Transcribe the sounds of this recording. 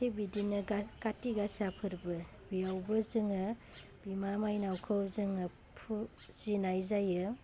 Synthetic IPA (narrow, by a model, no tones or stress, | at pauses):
ebidinɯkatiɡasapʰɯɾbɯ | bijawbɯzɯŋɯ | b̥imamajnawkʰɯwzɯŋɯ | pʰu | z̥inajzajɯ